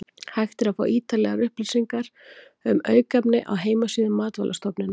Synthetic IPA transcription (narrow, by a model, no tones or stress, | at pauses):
hajxt̪ɪɾaðfa̰ːwʔiːt̪alɛɣaɾʏhplisiŋkaɾ̥ | ʏmœːɥkapnɪ̰ʔa̰wɦeːjmasiːðɪmːaːt̪va̰lʔast̪ɔpnɪn